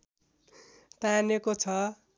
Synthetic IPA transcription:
t̪anekot͡sʰʌ

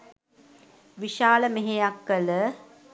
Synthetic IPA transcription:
ʋiʃaːləmeɦejakːələ

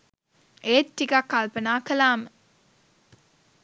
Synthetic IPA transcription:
eːt̪ːikakːalpənaːkəlaːmə

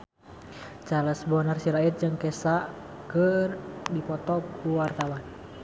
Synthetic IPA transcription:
t͡ʃaləsbɔnərsilait̪̚d͡ʒɨŋkɛsaʔ | kərdipɔt̪ɔkʰuwart̪awan

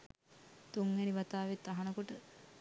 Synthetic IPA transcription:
t̪uŋːeniʋat̪aːʋet̪ːaɦɐnəkoʈə

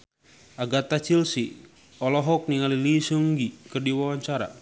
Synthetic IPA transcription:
aɡat̪at͡ʃilsi | ɔlɔɦɔk̚niŋalilisuŋɡikɨrdiwawaɲt͡ʃaɾa̰

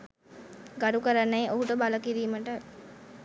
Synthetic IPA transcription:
ɡɐɖukɐɾɐnːɐeʔoɦuʈəbɐlɐkiɾiːmɐʈɐ

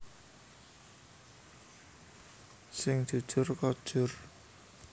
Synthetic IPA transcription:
sɪŋd͡ʒ̥ṳd̥ʒ̥ʊ̤rkɔd̥ʒ̥ʊr

